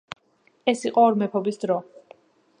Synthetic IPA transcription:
ɛsiqʼɔɔɾmɛpʰɔbisd̪ɾɔ

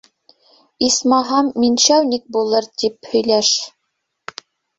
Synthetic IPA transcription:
ismɑɦɑmːinʃæwnʲik̚bulˠɤɾt̪iphɵ̆jlæʃ

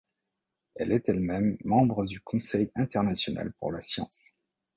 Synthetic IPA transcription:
ɛlɛt̪ɛlmɛmːɑ̃bʁəd̪ykʰɔ̃sɛjɛ̃t̪ɛʁnasjɔna̰lpṵʁlasjɑ̰̃s

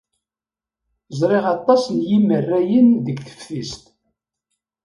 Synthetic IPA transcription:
zˤɾˤeʁɑt̪ˤːɑsnjimərːæjənðəɡθə̥fθist̪

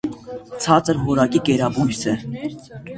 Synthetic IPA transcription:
t͡sʰɑt͡sʼəɾvɔɾɑkikɛɾɑbujsɛ

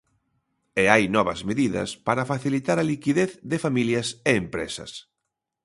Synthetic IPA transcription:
eajnɔβɐzmeðiðɐ̰spaɾɐfaθilit̪aɾɐlikiðeθðɪfamiljɐseːmpɾḛsɐ̰s

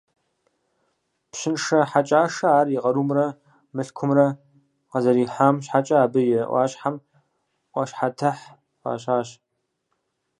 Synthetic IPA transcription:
pɕɪnʂɐħat͡ʃʼaːʂɐaːrjɪqɐɾuːmrɐ | mɨɬkʷʰʊmrɐ | qɐzɐɾiːħamɕħat͡ʃʼɐaːbɨjɛʔʷɑ̰ːɕʼħam | ʔʷɐɕħatʰɐħ | qɑ̰ːɕʼaːɕ

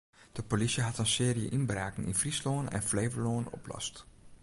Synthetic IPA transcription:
d̥əpolisiɦɑtənsɪːɾijə̰ʔɪnbraːkənɪ̰nfrisloːənɛ̰nflejvəɹloənɔ̰plɑ̰st

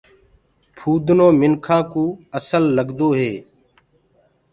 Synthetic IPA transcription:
pʰuːd̪ʱnoːmɪnkʰãːkũːəsəlːəɡd̪oːɦeː

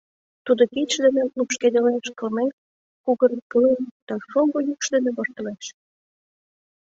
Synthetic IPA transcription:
t̪ud̪okitʃd̪enĕlupʃked̪eleʃkɤ̆lmen | kuɣənpɤənd̪̥ɑʃoɡojukʃd̪enĕβort̪ə̆leʃ

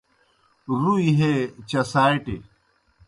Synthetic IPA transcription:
ɾuiɦet͡ɕɐsaːjʈḛ

